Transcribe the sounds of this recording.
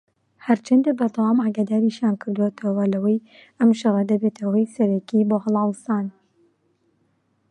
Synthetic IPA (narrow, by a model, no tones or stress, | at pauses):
hɐɾt͡ʃʰɐnd̪ek̚bɐɾd̪ɐwɑːmaːɡad̪aːɾiʃjaːnkʰɨɾd̪uwot̪ʰɐwɐlɐwɐj | ʔɐmʃɨrˤɐd̪ɐbet̪ʰɐwɐjsɐɾɛkiboːhɨlˠɑːlɨsaːn